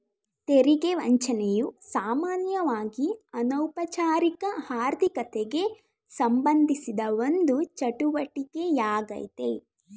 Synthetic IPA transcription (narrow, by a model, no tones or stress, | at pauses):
t̪eɾiɡeʋɐɲt͡ʃɐnejusaːmaːnjɐʋaːɡiɐnɐwpɐt͡ʃaːɾikɐhaːɾd̪ʱikɐt̪eɡe̞ | sɐmbɐnd̪ʱisid̪ɐʋo̞nd̪ut͡ʃɐʈuʋɐʈiɡe̞jaːɡɐ̰jt̪e̞